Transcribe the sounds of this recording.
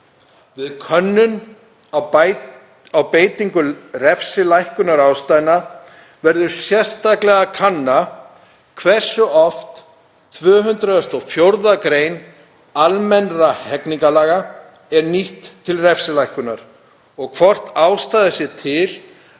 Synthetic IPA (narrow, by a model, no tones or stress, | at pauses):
vɪðkʰœnːʏn | aw | awpeːjt̪iŋkʏrɛfsɪlajhkʏnaɾaːwst̪ajɪna | vɛɾðʏɾ̥sjɛr̥st̪aklɛɣakʰanːa | kʰvɛr̥sʏɔft̪ | t̪ʰvœːɦʏnt̪ɾʏðɛst̪ɔfjowɾðakɾeːjn | almɛnɾahɛkniŋkalaːɣa | ɛɾniht̪ʰːɪlrɛfsɪlajhkʏnaɾ̥ | ɔɣkʰvɔr̥t̪aːwst̪aːðɪsjɛt̪ʰɪl